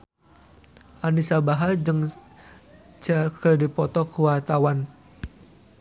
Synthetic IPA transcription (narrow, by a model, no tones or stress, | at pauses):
ʔanisabaɦad͡ʒɨŋ | t͡ʃakədipɔt̪ɔkuwart̪awan